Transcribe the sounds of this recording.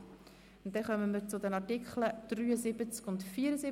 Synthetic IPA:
ʊntdɛχœməməɾt͡sʊdɛnɑɾtɪkχləd̥ryːəzɪbət͡skʊntfiːəɾəsɪ

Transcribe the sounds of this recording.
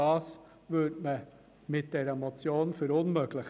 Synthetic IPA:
ɑːs | ʋʏtmə | mɪt̚d̥ɛɾəmot͡sjoːnfyɾʊnmøːɡlɪx

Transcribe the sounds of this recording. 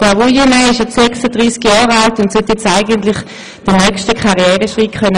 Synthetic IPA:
d̥aʁujenaɪʃjɛsɛksad̥ʁiːskjɑːʁaltʊntsɛtjɛt͡saɪɡəntlɪχ | d̥ənœkstəkχaʁiɛːʁəʃʁikχœnə

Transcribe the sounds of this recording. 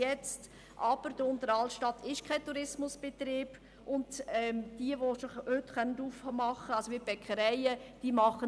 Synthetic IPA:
jɛt͡st | ʔɑb̥əɾd̥əʊntəɾɑltʃtɑtʰɪʃkʰaɪtuɾɪsmʊsb̥et̪ɾiːb̥ | ʔʊndɛmd̥iəʋoʃohøtχœnənduːfmɑχəɑlsoʋiːb̥ɛkχəɾɛɪəd̥iːmɑχə

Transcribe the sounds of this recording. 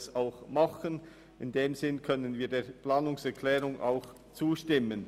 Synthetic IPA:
saʊxmaχən | ɪndeːmzɪnkʰœnənviːdeːpl̥aːnʊŋsɛɾkʰlɛːɾʊŋʔa̰ʊx | t͡suːʃtɪmən

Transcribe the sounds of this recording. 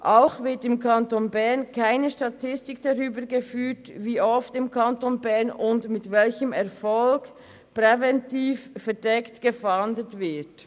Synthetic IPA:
ʔaʊxvɪtɪmkʰɑntonbɛɐnkʰaɪnəʃtɑtʰɪstɪkd̥ɑʁyːbəɡefyːtviːɔftɪmkʰɑntonbɛɐnʊntmɪtvɛlçəmɛʁfɔlk | pʁɛvɛntiːffɛdɛktɡ̥əfandətvɪɐt

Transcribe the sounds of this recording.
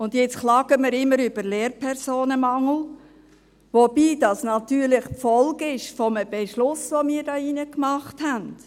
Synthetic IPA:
ʊndjɛt͡sχlɑːɡəmɪɾɪmːəɾʏb̥əɾleːɾpʰɛɾsoːnəmɑŋl̩ | ʋob̥iːdɑsnɑtyːɾlɪχpfɔlɡɪʃfɔməb̥eʃlʊsʋomiːɾdɑːinəkmɑχthænd̥

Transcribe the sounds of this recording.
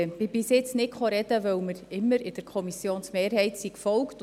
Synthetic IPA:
bɪbɪsjɪt͡snɪtχɔɾɛd̥əʋœwməɾɪmːəɾɪd̥̪əɾkʰɔmisjoːnsmeːɾhɛɪtsiːkfɔlkt

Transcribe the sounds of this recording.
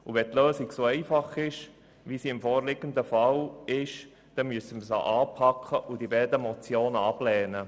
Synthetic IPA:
uʋɛt̪løːsiksoɛɪfɑχɪʃ | ʋisiɪmfɔːɾlɪɡ̥ənd̪əfɑlɪʃ | d̥ɛnmyəsəməsɑ̰ʔɑːpʰɑkʰχəʔʊd̥ibɛːd̪əmɔt͡sjoːnɑblɛːnə

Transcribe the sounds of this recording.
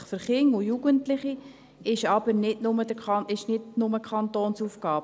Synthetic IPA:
χfʏɾχɪŋʊjuɡəntlɪχi | ɪʃɑb̥əɾnɪdnʊmədəkɑɪʃnɪtnʊməkʰχɑnt̪oːnsuːfkɑːb̥ə

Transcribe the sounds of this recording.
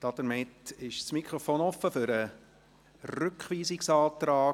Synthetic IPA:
d̪̥ɑd̪əɾmɪtɪʃsmikʰɾɔfoːnɔfːəfʏɾə | rʏkχʋiːsɪksɑːt̪ɾɑː

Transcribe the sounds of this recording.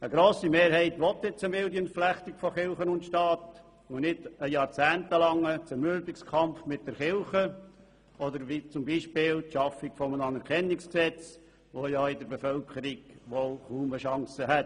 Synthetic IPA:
əɡɾoːsimeːɾhɛɪtʋɔt̪ːɪt͡səmɪldjənflæχt̪ikfɔχɪlχənʊntʃtɑːt | ʊnɪdəjɑːɾt͡sæːntəlɑŋːət͡səɾmyɾbɪkskʰɑmfmɪt̚d̥ɛɾχɪlχə | ɔd̪əɾʋit͡sʊmbiʃpɪːltʃɑfɪkfɔmənɑnɛɾkʰɛnːɪksksɛt͡s | ʋojaɪdəɾbefœlkʰəɾiɡʋolχuːməʃɑŋsəɦɛt

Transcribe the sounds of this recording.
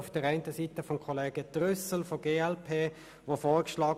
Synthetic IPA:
ʊfd̥əɾaɪntəsitəfɔmkʰɔleːɡ̥əd̥ʁʏsəl̩foɡeːɛlpʰeː | ʋofoːʁkʃlɑːɡ

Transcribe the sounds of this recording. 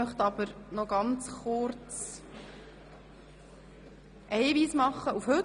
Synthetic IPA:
œχt̪ɑb̥əɾnɔɡ̥ɑnt͡sχʊɾt͡s | ʔiɪviːsmɑχːəufhɵ

